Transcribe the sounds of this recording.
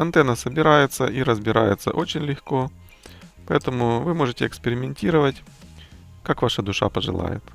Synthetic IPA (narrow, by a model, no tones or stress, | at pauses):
ɐnt̪ɛnːəsəbʲɪɾajɪt̪səʔiɾəzbʲɪɾajɪ̰t̪sə̰ʔo̞t͡ɕɪnʲlʲɪxko̞ | pɐɛt̪əmʊvɨmo̞ʐɨtʲɪɛkspʲɪɾʲɪmʲɪnʲtʲiɾəvətʲ | kakvaʂəd̪ʊʂa̰pəʐɨ̰lˠa̰jɪ̰t̪